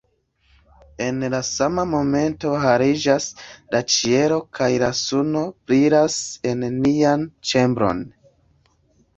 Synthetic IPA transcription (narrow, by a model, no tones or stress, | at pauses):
e̞nlasamamo̞me̞nto̞ɦaɾid͡ʒaslat͡ʃie̞ɾo̞kʰajlasuno̞pɾiɾase̞nːiant͡ʃe̞mbɾo̞̰n